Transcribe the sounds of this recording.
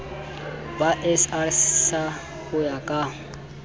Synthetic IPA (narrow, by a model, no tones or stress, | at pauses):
baʔɛsarsa | hʊjakʼa